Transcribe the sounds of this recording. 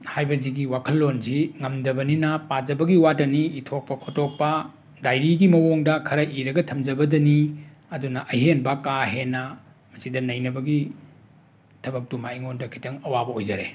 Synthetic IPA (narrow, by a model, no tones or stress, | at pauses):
hajbɐziɡiwakʰɐlːonziŋɐmdɐbɐninɐpad͡ʒɐbɐɡiwatɐniitʰok̚pɐkʰotok̚pɐ | dajɾiɡimɐwoŋdɐkʰɐɾɐʔiɾɐɡɐtʰɐmd͡ʒɐbɐdɐni | ɐdunɐʔɐjɦenbɐkaɦenːɐ | mɐsidɐnɐjnɐbɐɡi | tʰɐbɐk̚tumaiŋondɐkʰi̥tɐŋɐwabɐojd͡ʒɐɾḛ